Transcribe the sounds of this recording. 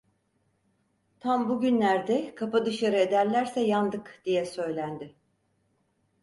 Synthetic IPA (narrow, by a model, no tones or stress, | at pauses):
t̪ʰambuɟynlʲæɾd̪ɛkʰapad̪ɯʃaɾɯe̞d̪æɾlʲæɾsɛjand̪ɯkd̪̥ijɛsø̞jlʲænd̪ɪ